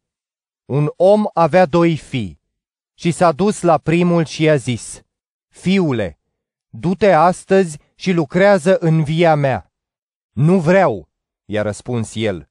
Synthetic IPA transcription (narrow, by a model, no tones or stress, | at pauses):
uno̞mavead̪o̞jfij | ʃisad̪uslapɾimulʃiazis | fiule̞̰ | d̪ut̪e̞ast̪əzʲ | ʃilukɾeazəʔɨnviamea | nuvɾeaw | ja̰ɾəspunsje̞l